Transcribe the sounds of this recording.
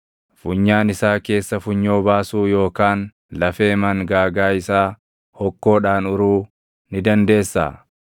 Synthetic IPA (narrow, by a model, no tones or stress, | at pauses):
fʊɲːaːnɪsaːke̞ːsːɐfʊɲːo̞ːbaːsuːjo̞ːkaːn | lɐfe̞ːmɐŋɡaːɡaːɪsaː | hɔkːo̞ːᶑaːnʊɾuː | nɪd̪ɐnd̪e̞ːsːa̰ː